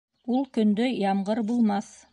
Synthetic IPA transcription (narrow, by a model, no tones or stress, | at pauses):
ulˠkɵ̆nd̪ɵjɑmɢɤɾbulˠmɑθ